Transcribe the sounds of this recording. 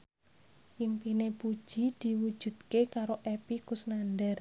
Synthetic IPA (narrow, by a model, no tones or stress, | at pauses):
jimpinepud̥ʒ̥i̤d̪̥i̤wud̥ʒ̥ṳd̪̥̚kekaɾoʔepikʊsnandɛr